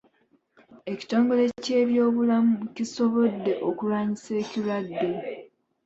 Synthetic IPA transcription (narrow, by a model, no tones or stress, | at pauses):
e̞ci̥to̞ːŋɡole̞ce̞ːβjo̞ːβulamuciso̞βo̞dːe̞ʔokulwaːɲise̞ːciladːe̞